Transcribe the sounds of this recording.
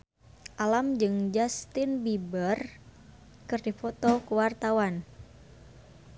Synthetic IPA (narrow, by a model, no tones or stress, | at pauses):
ʔalamd͡ʒɨŋd͡ʒast̪inbibər | kɨrdifɔt̪ɔkuwart̪awan